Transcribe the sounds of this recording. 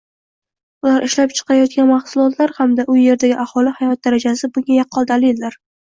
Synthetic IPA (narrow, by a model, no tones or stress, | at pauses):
ʊlaɾʔɪʃlapt͡ʃʰɨ̥qɑɾjɒt̪̚kʲanmaχsʊlˠɒt̪ʰlaɾhamd̪aʔʊje̞ɾd̪aɡʲɪʔahɒlɪhajɒt̪̚d̪aɾad͡ʒasɪbʊŋɡʲajɑqʰːɒlˠd̪alɪlːaɾ